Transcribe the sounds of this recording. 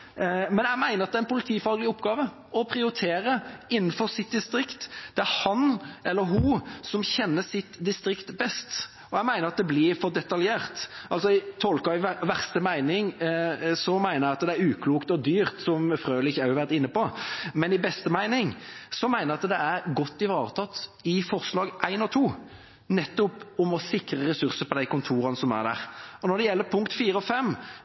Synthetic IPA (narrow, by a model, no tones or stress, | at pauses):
mɛnjæɪmæɪnəɾɑt̪d̪æɪnpʊlɪt̪ʰiːfɑːɡlɪʊpːɡɑːʋə | ɔpʰɾɪʊɾɪt̪ʰeːɾəɪnːnfɔɾsɪt̪̚d̪ɪst̪ɾɪkt̪d̪̥ɛæɾhɑnɛlːəɾɦʊsɔmçɛnːəsɪt̪d̪ɪst̪ɾɪkt̪bɛst̪ | ɔæmæɪnəɾɑt̪̚d̪ɛblɪɾfɔʁd̪ɛt̪ɑljeːʁt̪ʔɑls̬ɔɪt̪ʰɔlkɑɪʋæʁst̪əmæɪnɪŋ | sɔmæɪnəɾjæɑt̪d̪ɛæɾʉːkʰluːkt̪ɔd̪yːɾt̪sɔmfɾøːlɪçːæɑʋæʁt̪ɪnːəpɔmɛnɪbɛst̪əmæɪnɪŋsɔmæɪnəɾɑt̪d̪ɛæɾɡɔt̪ːɪʋɑːɾət̪ʰɑt̪ːɪfɔʁslɑːɡʔæɪnɔt̪ʰuː | nɛt̪ːɔpɔmɔsɪkɾəɾɛsʉɾsəɾpɔd̪æɪkʊnt̪ʰuːɾɑnəsɔmæ̰ɾd̪æ̰ɾɔnɔɾd̪ɛjɛlːəpʰʊŋkt̪fiːɾəɔfɛmː